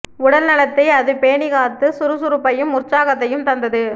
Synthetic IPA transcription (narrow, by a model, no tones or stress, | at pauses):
ʊɽɐlnɐɭɐt̪ːɐɪɐðɯpeːɳɪɣaːɾt̪ɯsʊɾɯsʊɾɯpːɐjɯmʊɾt͡ʃaːɣɐt̪ːɐjɯmt̪ɐnd̪ɐðɯ